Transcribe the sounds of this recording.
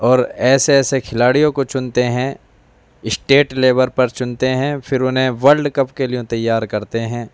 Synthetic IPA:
ɔːɾɛːseɛːsekʰɪlaːɽijõkot͡ʃʊnt̪eɦɛ̃ː | ɪsʈeːʈleːbəɾpɐɾt͡ʃʊnt̪eɦɛ̃ːpʰɪɾʊnɦẽʋɐɾɖkɐpkelijõt̪ɐjːaːɾkɐɾt̪eɦɛ̃ː

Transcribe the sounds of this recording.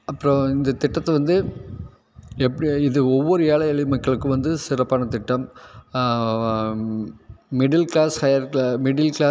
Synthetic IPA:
ɐpːɯɾõɪnd̪ɐt̪ɪʈːɐt̪ːɛʋɐnd̪ɯ | ɛpːɪðɯɔʋːɔɾɯeːɭɐɐɭɪmɐkːɐɭɯkːɯʋɐnd̪ɯsɪɾɐpːaːnɐt̪ɪʈːɐm | mɪɖɪlkɭaːshɐjɐɾkmɪɽɪlkɭaː

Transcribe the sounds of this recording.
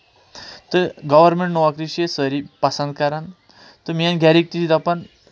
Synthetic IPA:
t̪əɡɐʋəɾmẽɳʈnɔʋakɾiʃesəɾipɐsɐ̃nd̪̚kaɾan | t̪ɨmijanɡʱaɾik̚t̪it̪id̪apɐn

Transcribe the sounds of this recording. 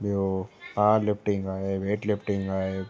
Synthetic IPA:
bot̪aːlɪpʈɪ̃ŋɡaːɦeʋeːʈlɪpʈɪ̃ŋɡaːe

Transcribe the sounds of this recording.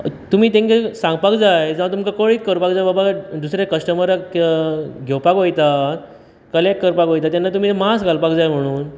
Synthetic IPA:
t̪um̤iːt̪ẽŋkesãŋɡpakd͡zajd͡zãat̪umkakoɭiːt̪̚kəɾpakd͡zajbabad̪usɾekəsʈəməɾə | ɡʱewpakɦojt̪at̪ | kəlek̚kːəɾpakojt̪at̪janːat̪̬um̤iːmasɡʱalpakd͡zajm̤əɽ̃uːn

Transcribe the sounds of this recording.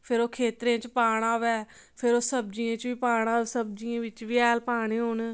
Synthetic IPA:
pʰɪɾoːkʰeːt̪ɾẽːt͡ʃpaːɳ̃aːʋɛː | pʰɪɾoːsəb̚d͡ʒijãːt͡ʃʋiːpaːɽ̃ãːsəb̚d͡ʒiãːʋɪt͡ʃʋiːɛːlpaːɽ̃eːɦoːnː

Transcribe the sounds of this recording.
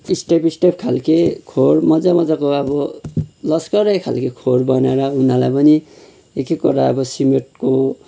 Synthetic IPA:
isʈepisʈepkʰalkekʰoɽmʌd͡zamʌd͡zakoʌbʌlʌskʌɾʌjkʰa̰lkekʰoɽbʌnaɾʌunalajpʌni | ekikuɾaʌbʌsimeʈ̚ko

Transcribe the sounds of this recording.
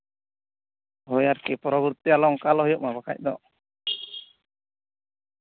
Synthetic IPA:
ɦɔjaɾkipɔɾɔbuɾt̪ialɔŋkalɔɦɔjɔʔ̚mabaka̰c̚ˀd̪ɔ̰

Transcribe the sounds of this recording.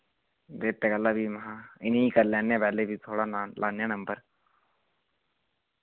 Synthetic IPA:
d̪eːt̪ːeːɡəlːabʱimɐɦãɪneikəɾlɛːnːẽpɛːlebʱit̪ʰoːɽanlʔaːnjanɐ̃mbəɾ

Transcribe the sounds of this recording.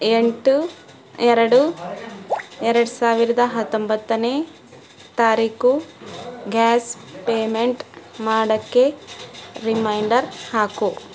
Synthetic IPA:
eɳʈu | ɛɾɐɽu | ɛɾɐɽusaːʋiɾɐd̪ɐɦɐt̪ːombɐt̪ːɐneː | t̪aːɾiːku | ɡaːs | peːmeɳʈmaːɽɐkːe̞ | ɾimɐjɳɖɐɾhaːku

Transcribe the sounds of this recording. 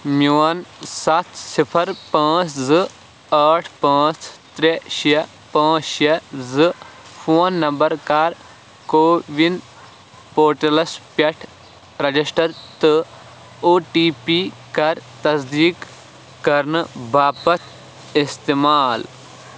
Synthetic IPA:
mjuːɐnsɐt̪ʰsipʰɐɾpãːt͡ʃzɨ | ɐʈʰpãːt͡ʃt̪ɾeʃiɐ | pãːt͡ʃʃɐzɨpʰoːnːɐmbɐɾkaːɾ | koːʋind̪ | poːɾʈɐlɐspɐʈʰ | ɾɐd͡ʒisʈɐɾt̪ɨ | oːʈiːpi | kɐɾt̪ɐsd̪iːkː | ɐɾnɨbʱaːpɐt̪ʰ | ist̪eːmaːl

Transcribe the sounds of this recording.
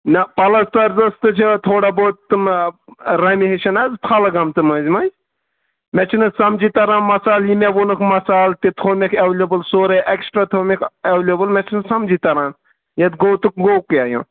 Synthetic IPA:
nɐpɐlɐst̪ɐɾzɐst̪ɨt͡ʃʰit̪ʰoːɽaboːt̪ːɨm | ɾɐmiɦiʃɐnɐzp̪ʰalɐɡɐmt̪ɨmɐzʲmɐzʲ | mʲɛt͡ʃʰinɨsɐmd͡ʒit̪ɐɾãːnmɐsaːljimʲeʋonɨkʰmɐsaːlt̪it̪ʰoːmʲekʰɐʋlʲɐbɨlsoːɾɐʔeksʈɾaːt̪ʰoːmʲekʰɐʋlʲobɨlmʲɛt͡ʃʰinɨsɐmd͡ʒit̪ɐɾaːn | jɐt̪ɡoːwt̪ɨkɡoːwkjaːjṵ̃

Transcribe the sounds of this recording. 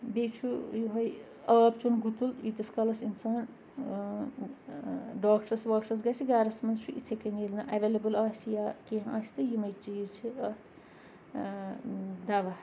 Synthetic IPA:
bet͡ʃʰujuɦɐj | ɐːbt͡ʃʰunɡut̪ulit̪ɐskɐlɐsinsaːn | ɖaːk̚ʈɐsʋaːkʈɐs̬ɡɐsiɡaːɾɐsmɐnzt͡ʃʰuʔḭt̪ʰɐkɐnilnɐʔɐʋelɐbɨlɐːsʲjaːkẽːɦa̰ːsʲi̥t̪ɨjimɐjt͡ʃiːɾt͡ʃʰiɐːt̪ʰ | d̪ɐʋɐ

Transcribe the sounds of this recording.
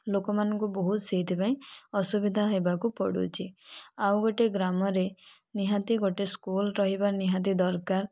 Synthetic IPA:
lokɔmanɔŋkubɔɦut̪siɦit̪ʰipaĩɔsubid̪ʱaɦebakupɔ̰ɽṵt͡ʃʰiawɡoʈeɡɾamɔɾe | niɦat̪iɡoʈeskulɾɔɦibaniɦat̪̬id̪ɔɾkaɾ

